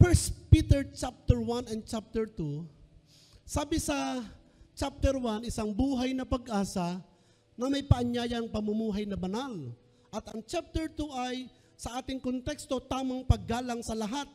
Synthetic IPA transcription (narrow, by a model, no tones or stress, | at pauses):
fɛɹspiːt̪ɛɹt͡ʃap̚t̪ɛɹwanɐn̚t͡ʃap̚t̪ɛɹt̪u | saːbɪsɐ | t͡ʃap̚t̪ɛɹwanɪsaŋbuːɦajnɐpɐɡʔaːsɐ | nɐmɐjpɐʔɐɲjaːjɐŋpɐmʊmuːɦɐjnɐbɐnal | ʔɐt̪ɐŋt͡ʃap̚t̪ɛɹt̪uʔɐj | sɐʔaːt̪ɪŋkont̪ɛkst̪o̞t̪aːmɐŋpɐɡːaːlɐŋsɐlɐɦat̪̚